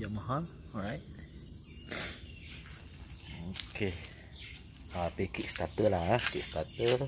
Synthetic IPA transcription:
jamaɦɔn | ɔɹajt̚ | okʰe | at̪ikiʔst̪at̪əlakiʔst̪at̪ə

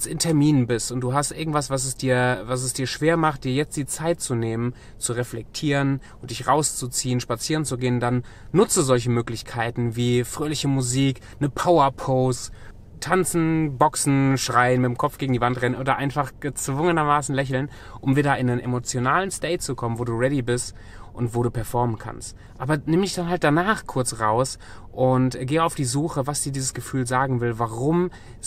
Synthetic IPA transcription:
sɪntʰɛɐmiːnənbɪstʔʊnt̚d̥uːɦastʔɪɐɡŋ̩tv̥asv̥as̬ɛsd̥iːɐvas̬ɛsd̥iːɐʃv̥eːɐmaχt̚d̥iːɐjɛt͡std̥iːt͡saɪt̚t͡suneːmən | t͡suʁɛflɛk̚tʰiːʁənʔʊntd̥ɪçʁaʊst͡sut͡siːənʃpat͡siːʁ̞ənt͡suɡeːəndanː | ʊt͡səzɔlç̬əmøːklɪçkʰaɪtn̩viːfʁ̥øːlɪçəmuziːk | nəpʰaʊɐpʰoʊst | tʰant͡sn̩bɔksn̩ʃʁ̥aɪənmɪtɪmkʰɔp͡fɡ̥eːɡŋ̩diːvantʁɛnənʔoːdɐʔaɪnfaχɡ̥ət͡sv̥ʊŋənɐmaːsn̩lɛç̬l̩n | ʔʊmviːdɐɪnənemot͡sjonaːlənsteɪt̚t͡sukʰɔmənvoːduːʁɛdibɪst | ʔʊntv̥oːɾuːpʰɛɐfɔɐmənkʰa̰nst | ʔaːbɐnɪmdɪçd̥anɦalt̚d̥anaːχkʰʊɐt͡sʁaʊs | ʔʊntɡeːaʊfd̥iːzuːχəvasd̥iːdiːzəsɡ̥əfyːlzaːɡŋ̩vɪlvaʁʊm

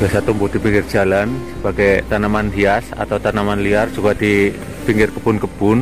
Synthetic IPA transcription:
b̥iasat̪umbʊd̥i̤piŋɡɪrd͡ʒ̥alansəbaɡajt̪anamandiasa̰t̪awt̪anamanliard͡ʒuɡad̥i | piŋɡɪrkəbʊnkəb̥ʊn

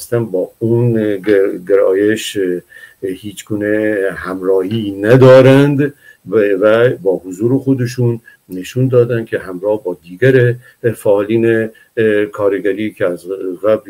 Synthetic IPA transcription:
st̪ænbɒːun | ɡeɾɒ̰ːjeʃ | hiːt͡ʃɡuːnehæmɾɒːhinæd̪ɒːɾænd̪ | væbɒːhozuːɾexod̪eʃunː | eʃund̪ɒːd̪ænd̪̚kʰehæmɾɒːhbɒːd̪iːɡæɾe | fæːliːne | kʰɒːɾeɡæɾiːkʰeæzɣæbl

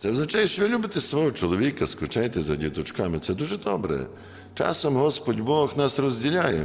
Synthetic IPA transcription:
t̪sɛwznɐt͡ʃajɛʃt͡ʃɔʋʲilʲubɪt̪ɪsʋɔɦɔt͡ʃɔlˠɔʋʲikɐskʊt͡ʃɛjt̪ɛzɐdʲiwt̪ɔt͡ʃkɑmɪt̪sɛd̪uʒɛd̪ɔbɾɛ̰ | t͡ʃɑ̰sɔmɦɔspɔdʲbɔxnɑsrɔzʲdʲilʲajɛ̰

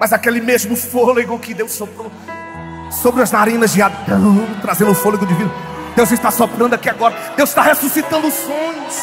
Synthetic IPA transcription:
mɐjzakelɪmezmʊfoleɡkɪd̪ewssopɾo | sobɾɪɐznaɾĩnɐzd͡ʒɪad̪ɐ̃w̃t̪ɾazẽnd̪ʊfolʊd̪ʊd͡ʒivĩd̪ʊ | d̪̥ewzɪst̪asopɾɐ̃nd̪ʊakiaɡɔɾɐ | d̪ewz̥ʃt̪ahesusit̪ɐ̃nd̪ʊʊsõɲʊs

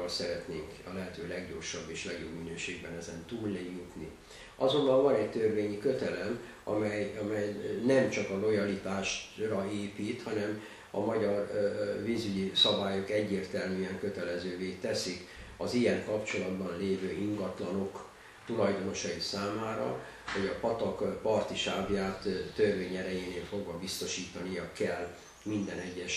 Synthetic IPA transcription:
lsɛɾɛt̪neːŋkɒlɛɦɛt̪øːlɛɡɟo̞̰rʃɒbːeːʃlɛɡjo̞bminøːʃeːɡ̚bɛnɛzɛnt̪uːlnɛjut̪ni | ʔɒzo̞mbɒɱvɒnɛct̪ørveːɲikø̞t̪ɛlɛm | ɒ̰mɛjɒmɛjnɛmt͡ʃɒkɒlo̞jɒlit̪aːʃrɒeːpiːt̪hɒnɛm | ɒ̰mɒɟɒrvizyɟisɒbaːjokɛɟːeːrt̪ɛlmyːɛŋkø̞t̪ɛlɛzøːveːt̪ɛsikɒzijɛŋkɒpt͡ʃo̞lɒd̪bɒnleːvøːʔiŋɡɒt̪lɒno̞k | t̪ulɒjd̪o̞no̞ʃɒjisaːmaːɾɒ̰ | hɒɟɒpɒt̪ɒkpɒrt̪iʃaːbjaːt̪ːørveːɲɛɾɛjeːneːlfo̞ɡvɒbist̪o̞ʃiːt̪ɒnijɒkɛl | mind̪ɛnɛɟːɛʃ

